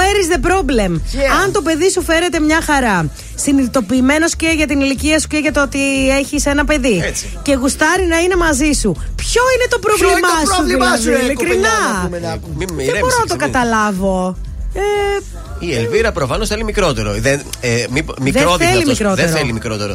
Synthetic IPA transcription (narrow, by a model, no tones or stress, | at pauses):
eɾizðe̞pɾo̞ble̞mɐnt̪o̞pe̞ðisufe̞ɾe̞t̪e̞mɲɐxɐɾɐ | siniðit̪o̞piːme̞no̞sceʝɐt̪iniliciɐsu̥ce̞ʝɐt̪oot̪ie̞çise̞nɐpe̞ði | ce̞ɣust̪ɐɾinɐine̞mɐzisupço̞ine̞t̪o̞pɾovlimɐsulɐðilikɾinɐ | ðebo̞ɾonɐt̪okɐt̪ɐlɐvo̞ | e | ielviɾɐpɾofɐnosθelimikɾo̞t̪eɾo̰ðemipmiðeɾoθellimikɾo̞tðɾelimikɾot̪eɾo